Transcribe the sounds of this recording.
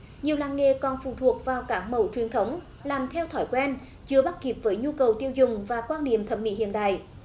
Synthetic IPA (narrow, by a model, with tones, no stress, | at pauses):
ɲi˨˩əwlaː˧˨ŋḛ˧˨kɔ˨˩nfṵ˧˩t̪ʰu˨˩ək̚vaː˨˩wkaː˨˦˥k̚mə˧˨˩wt͡ɕwi˨˩ənt̪ʰə˨˦wŋ͡m | laː˨˩mt̪ʰɛ˧wt̪ʰɔː˧˩jkwɛ˧n | zɨ˧əɓa˦˥t̚ki˨˩p̚vəː˨˦jɲu˧kə˨˩wt̪i˧əwzʊ˨˩ŋ͡mvaː˨˩kwaː˧nːḭ˧˨əmt̪ʰə˨˧˩p̚mḭ˧˥hḭ˧˨ənɗa̰ː˧˨j